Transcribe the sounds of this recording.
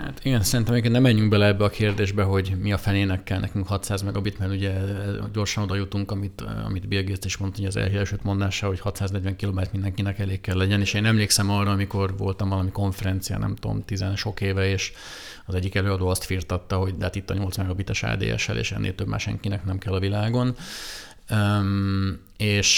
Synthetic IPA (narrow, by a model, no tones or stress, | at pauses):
ha̰t̪iɡɛnsɛɾint̪ɛmɒikennɛmːɛɲːyŋɡbɛlɛɛbːɛɒkʰeːrd̪eːʒbɛɦo̞ɟmiɒfɛneːnɛkːɛlnɛ̰kyŋkhɒt̪saːzmɛɡɒbit̪mɛruɟɛɟo̞rʃɒnod̪ɒjut̪uŋkɒmit̪ɒ̰mid̪belɡest̪eːʃmont̪uɟɒzɛ̰lɦeːlɛlʃøːt̪mo̞nd̪aːʃaːlho̞chɒt̪saːznɛɟvɛŋkiloːmɛt̪mind̪ɛŋkinɛkɛleːkːɛlːɛɟɛneːʃeːnɛmleːksɛmɒrːɒːmiko̞rvo̞̰lt̪ɒmvɒlɒmiko̞ɱfɛɾɛnt̪sija̰nɛ̰mt̪o̰mt̪izɛnʃo̞keːvɛeːʃ | ɒzɛɟːikɛløːɒd̪oːɒst̪firt̪ɒt̪ːɒɦo̞ɟd̪ɛɦaːt̪it̪ːɒɲo̞lt̪smɛɡɒbit̪ɛʃa̰ːd̪ḛːɛ̰ʃɛ̰lʔḛːʃɛ̰nːʔḛlt̪øbma̰ʃɛ̰ŋkinɛknɛmkɛlːɒvilaːɡo̞n | eːʃ